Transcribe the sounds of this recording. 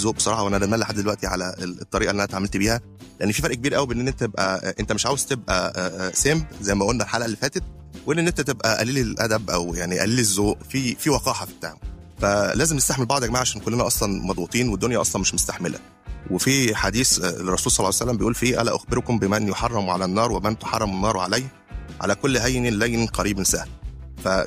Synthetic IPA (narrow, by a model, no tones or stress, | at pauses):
zoːʔbe̥sˤɑɾˤɑːħɑwʔænæʔænæt̪mælːæħad̪ːd̪elwæʔt̪iʕalæt̪ˤːɑɾiːʔɑlːiʔænæt̪ʕamːælt̪biːhæ | leʔænːefifæɾˤʔkebiːɾʔæwibeʔenːʔenːent̪æt̪ebʔæʔent̪æmeʃʕaːwezt̪ebʔæ̰sembzæjːmæʔolnælħaːlʔælːifæːt̪et̪̚ | wʔenʔenːʔent̪æt̪ebʔæʔæ̰liːlilʔæd̪æbʔæwjaʕniʔæ̰liːliezːoːʔfifiːwɑqɑːħɑfib̥̚et̪a̰ʕmofælæːzemnest̪aħmelbɑʕd̪ˤɑkmaʕaʃæːnkolːenæʔɑsˤlɑnmɑd̪ˤbut̪ˤiːnwed̪ːonjæʔɑsˤlɑnmeʃmost̪aħmelʔæ̰ | wefiħad̪iːserˤːɑsuːlsˤɑlːɑːjsælːæmbejʔuːlfiːʔæ̰læ̰ʔoxbeɾkombemænjoħɑrˤːɑmʕalænːɑːɾˤwemænt̪o̥ħɑrˤːɑmenːɑːɾˤwʕa̰læjh | ʕa̰lækolːɦæjnilæjniqɑɾiːbensæhfæ